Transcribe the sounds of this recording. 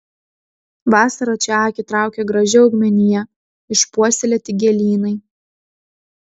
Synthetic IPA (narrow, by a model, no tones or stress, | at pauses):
ʋɑːsɐɾɐt͡ʃʲɛɑːkʲɪt̪ɾɑˑʊkʲɛɡɾɐʒʲɪɐʊɡmʲɛnʲɪjɛ | ɪʃpuɔsʲɪlʲɛt̪ʲɪɡʲɛlʲiːnɐɪ